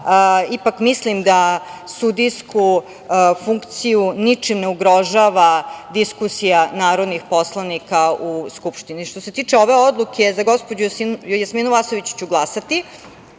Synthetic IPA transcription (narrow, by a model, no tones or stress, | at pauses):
ipakmislimd̪asud̪ijsku | fuŋkt̪sijunit͡ʂimneuɡɾo̞ʒaʋad̪iskusijanaːɾo̞d̪nixpo̞slˠanikauskupʃt̪iniʃt̪o̞se̞t̪iːt͡ʂeo̞ʋeod̪lˠukʰezaɡo̞spod͡ʑujasminuʋasoʋit͡ɕt͡ɕuɡlˠasat̪i